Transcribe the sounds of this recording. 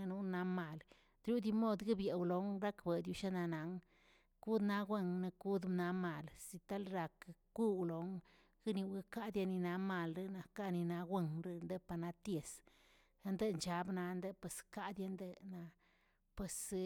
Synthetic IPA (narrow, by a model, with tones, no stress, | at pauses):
nu˦na˧ma˧˨l | d̪ɾu˦d̪i˧mo˦˧˨d̪ɡɨ˦bje˨wlo˨ŋɾa˦kbe˨d̪ju˧ʃa˦na˧na˨˦ŋ | ku˦d̪na˧ɡʷwe˦ŋna˧ku˦d̪m˧na˧˦ma˨lsi˨t̪a˦lɾa˨kku˦wlo˨˦ŋ | ɡi˦ni˧we˦ka˦d̪ja˧ni˧na˧ma˧˨lɾe˦na˨ka˦ni˧na˧ɡʷe˦˧ŋɾe˦nd̪e˦pa˧na˧t̪je˨s | nd̪e˦nt͡ʃa˧˦bna˧˦nd̪e˦pwe˨ska˦d̪ja˧˦nd̪e˧na˧ | pwe˨s